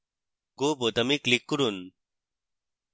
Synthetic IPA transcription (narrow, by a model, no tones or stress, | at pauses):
ɡobot̪əmiklikːuɾun